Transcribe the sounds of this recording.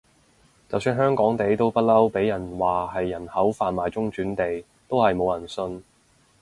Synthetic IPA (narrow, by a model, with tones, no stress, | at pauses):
t͡sɐ˨wsyː˧nɦœː˥ŋkɔː˨˥ŋt̪e˨˥jt̪o˥wpɐ˥t̚lɐ˥wpe˨˥jɐ˨˩nwaː˨˩ɦɐ˨jːɐ˨˩nhɐ˨˥wfaː˨nmaː˨jt͡sʊ˥ŋt͡ʃyː˨˥nt̪e˨j | t̪o˥whɐ˨jmo˨˧wjɐ˨˩nsɵ˧n